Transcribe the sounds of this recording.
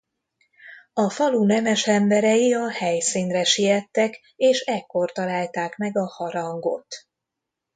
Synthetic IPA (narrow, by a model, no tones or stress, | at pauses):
ɒfɒlunɛmɛʃɛmbɛɾɛjiɒhɛjsiːnrɛʃijɛt̪ːɛk | eːʃɛkːort̪ɒlaːlt̪aːkmɛɡɒhɒɾɒŋɡo̞̰t̪